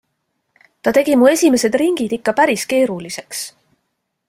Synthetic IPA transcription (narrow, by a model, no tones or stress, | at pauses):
t̪ɑt̪e̞ɡ̥imue̞sʲime̞se̞d̪riŋɡ̥id̪̥ikːɑpæɾiske̞ːɾulise̞ks